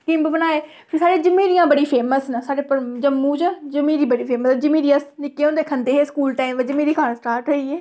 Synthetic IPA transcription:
kɪmbbənaːeː | pʰɪɾsaːɾeːd͡ʒəmẽːɾɪjãːbəɽiːpʰeːməsnəsaːɽeːpəd͡ʒəmːũːt͡ʃəd͡ʒəmẽːɾiːbəɽiːpʰeːməsd͡ʒəmĩːɾiəsnɪkːeːõːnd̪eːkʰənd̪eːɦeːskuːlʈaːimʋəd͡ʒəmeːɾiːkʰansʈaːɾʈɦəiːɛː

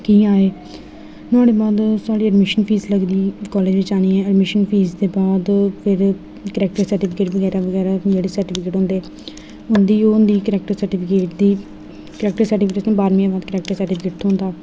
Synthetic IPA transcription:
kĩːaːeː | t̪ʊaːɽeːbaːd̪saːɽiːəɖmɪʃənpʰiːzləɡd̪iːkɔːleːd͡ʒʋɪt͡ʃaːñiːɛ̃ːəɖmɪʃənpʰiːzd̪eːbaːd̪pʰɪɾ | kəɾɛːk̚ʈəɾsəɾʈiːpʰɪkeːʈʋəɡɛːɾaːʋəɡɛːɾaːd͡ʒeːɽeːsəɾʈɪːpʰɪkeːʈɦõːnd̪eː | ʊnd̪iːoːʊnd̪iːkəɾɛːk̚ʈəɾsəɾʈɪːpʰɪkeːʈd̪iː | kəɾɛːk̚ʈəɾsəɾʈiːpkeːʈsãːbaːɾmĩãbaːd̪kəɾɛːk̚ʈəɾsəɾʈɪːpʰɪkeːʈ̚t̪ʰõːnd̪aː

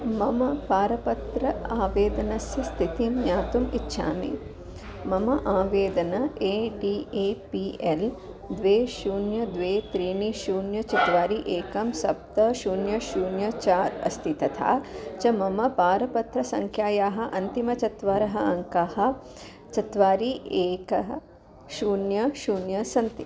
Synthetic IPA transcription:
mɐmɐpaːɾɐpɐt̪ɾɐaːʋeːd̪ɐnɐsjɐst̪ʰit̪imjaːt̪umitːʃʰa̰ːmḭ | mɐmɐʔaːʋeːd̪ɐnɐʔeːɖiːeːpiel | d̪ʋeːʃuːnjɐd̪ʋeːt̪ɾiːɳiʃuːnjɐt͡ʃɐt̪ʋaːɾiʔeːkɐmsɐp̚t̪ɐʃuːnjɐʃuːnjɐt͡ʃaːɾɐ̰st̪ʰit̪ɐt̪ʰa̰ːt͡ʃɐmɐmɐpaːɾɐpɐt̪ɾɐsɐŋkʰjaːjaːɦɐ̆ʔɐnt̪imɐt͡ʃɐt̪ʋaːɾɐɦɐɐŋkaːhɐ̆ | t͡ʃɐt̪ʋaːɾiʔeːkɐɦɐ | ʃuːnjɐʃuːnjɐsɐnt̪i

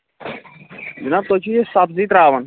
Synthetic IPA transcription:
d͡ʒənaːb̚t̪oːt͡ʃʰiːesaːfziːt̪ɾaːʋən

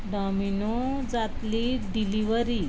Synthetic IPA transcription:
ɖɔmino | d͡zat̪liɖiliʋəɾi

